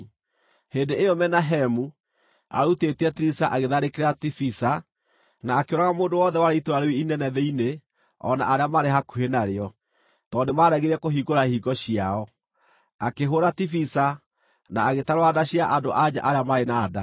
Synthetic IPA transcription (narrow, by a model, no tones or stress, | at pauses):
heːndeeɔmɛnaɦɛmu | a̰ɾuteteɛtiɾisaʔaɣeðaɾekeɾeɾatifisa | naːkeoɾaɣamoːndowɔðɛwaɾeitoɾaɾewiinɛnɛðɛine | ɔ̰na̰aɾeamaɾeɦakuhenaɾeɔ | tɔndemaɾɛɣeɾɛkoɦiɡoɾahiɡɔɕiaɔ | akeɦoɾatifisa | naaɣetaɾoadaɕiaʔadoʔad͡ʑa̰ʔaɾeamaɾenaːda